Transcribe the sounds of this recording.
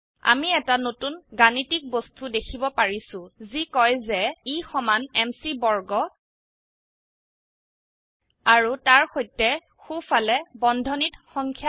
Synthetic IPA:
a̰miɛtanotunɡanitik̚bostudekʰibɔpaɹisʊ̃zikɔjzɛixɔmanɛmsibɔɹɡɔ | aɹutaɹxojtːɛ | xufalɛbɔndʱɔnitxɔŋkʰja

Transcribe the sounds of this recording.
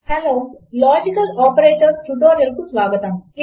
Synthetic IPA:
hɛloːlɔːd͡ʒikəlɔːpəɾeːʈəɾsʈuɖoːɾjɐɾkusʋaːɡət̪ãːi

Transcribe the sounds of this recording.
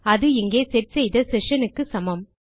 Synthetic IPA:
ɐðɯɪŋɡeːsɛɾ̚sɛjðɐsɛʂɐnɯkːɯsɐmɐm

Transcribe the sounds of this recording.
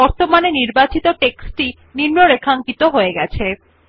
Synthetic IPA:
ɔɾt̪omaneniɾbat͡ɕit̪oʈeksʈi | niɾnoɾekʰaŋkit̪oɦoeɡɛt͡ɕʰe

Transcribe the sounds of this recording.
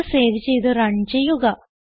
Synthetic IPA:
seːðit͡ɕejt̪ɨɾɐɳt͡ɕd͡ʑejːuɣɐ

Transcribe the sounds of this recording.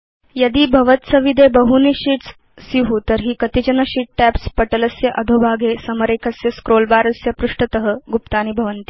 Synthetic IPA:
jɐd̪iːbʱɐʋət̪sɐʋid̪ʱebəɦuniɕiːʈs | siɦut̪əɾɦiːkət̪id͡ʑɐnəɕiʈ̚ʈæpspəʈələsjɐʔɐd̪ʱobʱaːɡʱesɐməɾekʰɐsjɐskɾoːlbaːɾɐsjɐpɾuʂʈət̪əɦəɡupt̪aːnibʱɐʋənt̪i̥

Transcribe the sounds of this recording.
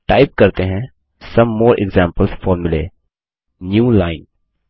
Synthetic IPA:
ʈaːɪp̚kɐɾt̪eɦɛ̃ | sɐ̃mːoːɾʔɪ̰ɡzɛ̃ːmpəlsfɔːɾmʊlḛː | njuːlaːɪn

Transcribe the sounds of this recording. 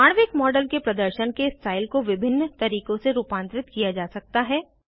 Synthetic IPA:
aːɽ̃ʋɪkmɔːɖəlkepɾɐd̪əɾʃənkesʈʰaːɪlkoʋɪbʱɪnːt̪ɐɾiːkõseɾuːpãːnt̪ɾɪt̪kijad͡ʒaːsɐk̚t̪aɦɛː

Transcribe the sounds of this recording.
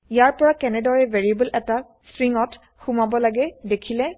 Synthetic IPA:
ijaɹpɔɹakɛnɛdɔɹɛvʱeɹiebəlʔɛta | stɹiŋɔt | xumabɔlaɡɛdekʰilɛ

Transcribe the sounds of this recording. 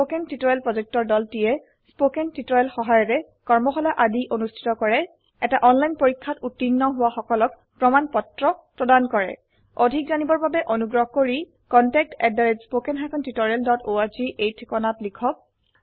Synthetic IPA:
spokɛntitɔjɛlpɹɔzek̚tɔɹdɔltijɛ | spokɛntitɔjɛlxɔɦajɔɹɛ | kɔɹmɔxɔlaʔadiʔonustʰi̥tɔkɔɹɛ | ɛtaʔɔnlajnpoɹikʰːatutːinːɔɦʊwaxɔkɔlɔk̚ | pɹɔmanpɔtɹɔpɹɔdankɔɹɛ̰ | odʱik̚zanibɔɹbabɛʔonuɡɹɔɦɔkoɹi | kɔntɛk̚tɛdaɹespokɛnɦapʰɔntitɔɹɛldɔtoaɹziʔejtʰkɔnatlikʰɔk̚

